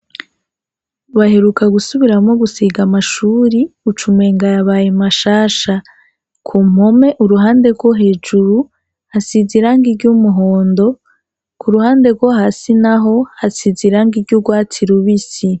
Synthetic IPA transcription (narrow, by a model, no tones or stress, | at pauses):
uβahe̞ɾukaɡusuβiɾamŋoɡusiɡamaʃuːɾiut͡ʃumeːŋɡaɾaβaːjemaʃaːʃa | kʰum̥ho̞me̞ʔuɾuɦaːnde̞ɾɡwoɦe̞ːd͡ʒuɾu | hasiziɾaːŋɡiɾɟumuɦoːndo̞ | kʰuɾuhaːnde̞ɾɡwoɦaːsinaɦo̞hasiziɾaːŋɡiɾɟuɡwaːtʰiɾuβisi